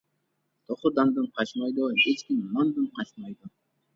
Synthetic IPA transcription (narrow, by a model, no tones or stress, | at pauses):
t̪ʰoχud̪ɑnd̪ɯɴqʰɑt͡ʃmɑjd̪uet͡ʃkʲimːɑnd̪ɯɴqʰɑt͡ʃmɑjd̪u